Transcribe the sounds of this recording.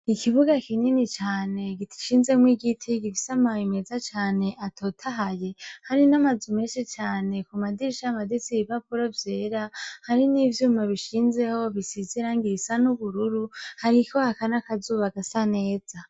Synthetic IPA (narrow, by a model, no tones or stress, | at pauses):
ikiβuɡakiɲinit͡ʃaːne̞ɡitʰi̥ʃiːnze̞mwiːɡitʰiɡifi̥samajimezat͡ʃaːne̞ʔatʰo̞ːtʰaɦaje̞haɾinamazume̞ːnʃit͡ʃaːne̞kumadiɾiʃamadit͡siβiβapuɾovje̞ːɾahaɾinivjuːmaβiʃiːnze̞ho̞βisiziɾaŋɡiɾisanuβuɾuɾuhaɾikʰo̞hakanakazuːβaɡasane̞ːz̥a